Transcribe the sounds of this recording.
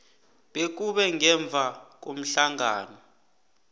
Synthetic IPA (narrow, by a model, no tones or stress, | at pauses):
ɓek̬uɓɛŋɛɱb̪vʱak̬om̩ɬaŋa̰ːnɔ